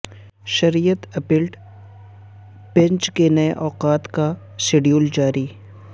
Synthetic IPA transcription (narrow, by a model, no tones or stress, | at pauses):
ʃɐɾiːjət̪ɐpiːlʈ | b̥ɛ̃ɲt͡ʃkenɐeʔɔːqaːt̪ka | seːɖijuːld͡ʒaːɾiː